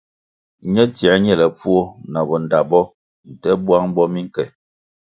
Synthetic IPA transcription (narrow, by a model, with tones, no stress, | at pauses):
ɲɛ˦tjɛ˨˦ɲɛ˦˨lɛ˨p͡fu˦o˦na˨bɔ˨n̩˨da˨bɔ˦ | n̩˨tɛ˦bwa˦ŋ˦bɔ˦mi˦ŋ˦kɛ˨